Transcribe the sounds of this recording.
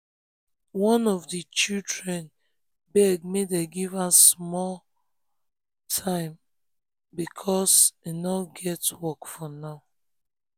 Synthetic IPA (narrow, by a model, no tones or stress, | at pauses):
wɔ̃nɔvdit͡ʃidɹɛ̃n | bɛɡ̚medeɡivasmɔl | tʰãɪ̃m | bikʰɔsinɔɡɛtwɔkfɔnaʊ